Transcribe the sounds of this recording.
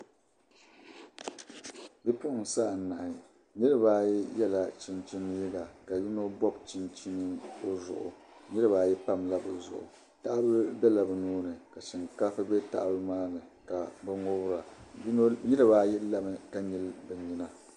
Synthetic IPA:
bi˦pʊ˦ʔʊ˨n˨sa˦˨na˨ʔɪ˨ | nɨ˦ɾɨ˦baː˦ji˦jɛ˦la˨t͡ʃi˦nt͡ʃi˦n˦ji˦ɡa˨ka˨ji˦no˦bɔ˦b̚t͡ʃi˦nt͡ʃi˦nɨ˦o˦zʊ̰˨ʔʊ̰˨ | ɲi˦ɾɨ˦ba˨jɛ˦pa˦mla˦bɨ˨zʊ̰˨ʔʊ̰˨ | ta˦ʔa˦bɨ˦bɛ˦la˨bɨ˨nuː˦nɨ˨ka˨ʃɪ˨ŋka˦fɨ˦bɛ˦ta̰˨ʔa˦bɨ˦maː˦nɨ˨ka˨bɨ˦ŋo˦bɾa˨˦ | ɲi˦ɾɨ˦ba˦ji˦la˦bɨ˦ka˦ɲi˦lbɛ˨ɲi˦na˨

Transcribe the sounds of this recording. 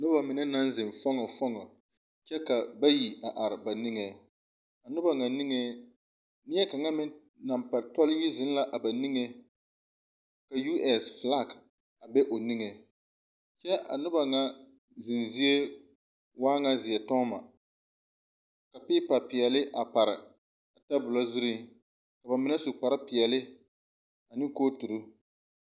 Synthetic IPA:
nʊ˦ba˨mɪ˨na˦na˦nzɪ˨mfɔ˦ŋɔ˨fɔ˦ŋɔ˨ | t͡ʃɛ˦ka˨ba˦ji˨a˨ʔa˨ɾɪ˨ba˨ni˦ŋɛ˨ | a˨nʊ˦ba˨ŋa˨ni˦ŋɛ˨ | nɪ˦ɛ˦ka˨ŋa˦mɪ˦ | na˨mpa˨ɾtɔ˦lɪ˦ji˦zɪ˦n˦la˦ʔa˨ba˨ni˦ŋe˨˦ | ka˨ju˦ʔɛ˨sfla˦˨k | a˨bɛ˦ʔo˨ni˦ŋɛ˨ | t͡ʃɛ˦ʔa̰˨nʊ˦ba˨ŋa˦ | zɪ˨nzi˦e˦ | waː˦ŋa˦zɪ˨ɛ˨tɔ˦ma̰˨ | ka˨pɪː˦pa˨pɪ˨ɛ˨lɪ˦ʔa˨pa˨ɾɪ˨ | a˨ta˦bʊ˨la˦zʊ˦ɾi˦ | ka˨ba˨mɪ˦nɛ˦su˨k͡pa˨ɾa˦pɪ˨ɛ˨lɪ˦ | a˨nɪ˦koː˦tu˨ɾu˦

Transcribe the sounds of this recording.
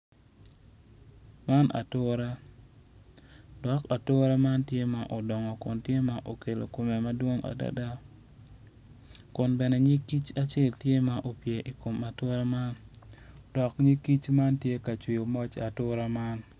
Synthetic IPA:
ma˦na̰˨tʊ˦ɾa˦ | dɔ˨ka˨tʊ˦ɾa˦ma˦ntje˦ma˨ʔo˨dɔ˨ŋɔ˨kʊ˨ntje˦ma˦ʔo˨ke˨lo˨ko˨me˨ma˦dwo˦ŋa̰˨da̰˦da˦ | kʊ˨nbɛ˨nɛ˨ɲɪ˦ki˦t͡ʃa˦t͡ʃe˦˨ltje˦ma˦ʔo˨pje˨ʔi˨ko˨ma˨to˦ɾa˦ma˦n | d̥ɔ˨kɲi˦ki˦t͡ʃma˦ntje˦ka˨t͡ʃwi˨o˨mɔ˦t͡ʃa˨tʊ˦ɾa˦ma˦n

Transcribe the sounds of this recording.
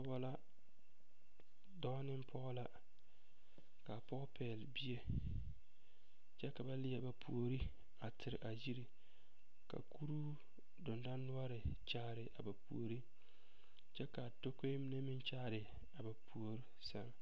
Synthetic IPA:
a˦wa˨la˦ | dɔ˦nɪ˦m˦pʰɔ˦ɣʊ˦la˦ | ka˨pɔ˦pʰɛː˨lbi˦e˦ | t͡ʃɛ˦ka˨ba˦lɪ˦a˨ba˨pʰṵ˨o˨ɾi˦ | a˨tʰɪ˨ɾɪ̰˨ʔa˨ji˦ɾi˨ | ka̰˨ku˦ɾu˦ | dʊ˨nda˦nː˦ʊ˦a˦ɾɪ˨t͡ʃaː˦˨ɾɪ˨ʔa˨ba˨pṵ˨o˨ɾi˦ | t͡ʃɛ˦ka˨to˦ke˦mɪ˦ne˦mɪ˦nt͡ʃaː˦˨ɾɪ˨ | a˨ba˨pʰu˨o˨ɾi˦sa˦ŋ˨

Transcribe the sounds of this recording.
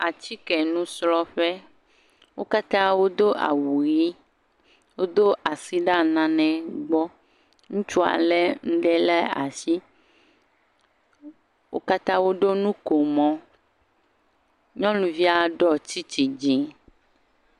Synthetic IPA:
a˨t͡ɕi˦kɛ˨nũ˦slɔ˦ɸɛ˦ | wo˦ka˦t̪ã˦wo˦d̪o˦ʔa̰˨wu˨ji˦ | wo˦d̪o˦ʔa˨si˦ɖa˦˨nã˨nɛ̃˨ɡ͡bɔ˦ | ŋũ˦t͡ʃu˦a̰˨lɛ˦ŋ̩˦ɖɛ˦lɛ˦a˨si˦ | wʔo̰˦ka˦t̪ã˦wo˦ɖo˦nũ˦ko˨mɔ̃˦ | ɲɔ̃˦lũ˨vi˦a˦ɖɔ˦t͡ɕi˦t͡ɕi˨d͡ʑi˨

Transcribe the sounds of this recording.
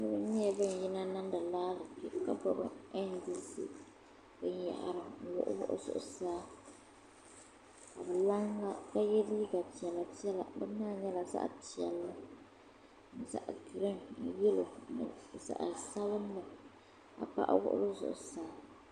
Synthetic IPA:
nɨ˦bɨ˦ɲɛ˦˨bɨ˦n˨ji˦na˦na˦n˦da˨laː˦lɨ˨ki˦ka˦bɔ˦bɨ̰˦ɛ˦ndi˦sḭ˦ | bɨ˦n˦ja̰˨ʔa̰˨ɾɨ˨jʊ̰˨ʔʊ̰˦bʊ̰˦ʔʊ̰˦zʊ̰˨ʔʊ̰˨saː˦ | ka˨bɛ˨la˦ŋla˦ka˦jɛ˦lli˦ɡa˨ti˨ɛ˨lːa˨ti˦ɛ˦la̰˨bɨ˦nːaː˦˨ɲɛ˦la˨sa̰˦ʔti˨ɛ˨lːa˦ | nɨ˨sa̰˨ʔɡɨ˨ɾɨ˦n̩˦jɛ˦lo˨nɨ̰˨sa̰˨ʔa̰˨sa˦βɨ˦n˦lɨ˨ | a̰˨pa̰˦ʔa̰˦wʊ̰˦ʔʊ̰˦lɨ˦zʊ̰˨ʔʊ̰˨saː˦

